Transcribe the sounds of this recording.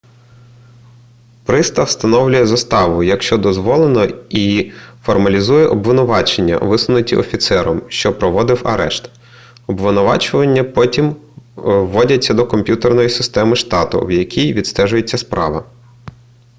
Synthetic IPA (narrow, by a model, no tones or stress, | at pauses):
pɾɪst̪ɐwst̪ɐnɔwlʲʊjɛzɐst̪ɑʋʊjɐkʃt͡ʃɔd̪ɔzʋɔlˠenɔifɔrmɐlʲizujɛʔɔbʋɪnʊʋɑt͡ʃenʲːɐ̰ʋɪsˠʊnʊtʲiʔɔfʲit̪sɛɾɔmʃt͡ʃɔpɾɔʋɔd̪ɪwɐ̰ɾɛʃt̪ | ɔbʋɪnʊʋɑ̰t͡ʃʊʋɐnʲːɐpɔtʲimː | ɔdʲɐt͡sʲːɐd̪ɔkɔmpʲjut̪ernɔjisɪst̪ɛmɪʃt̪ɑt̪ʊ̰wjɐkʲʰijʋʲid̪st̪ɛʒʊjet͡sʲːɐspɾʔɑ̰ʋɐ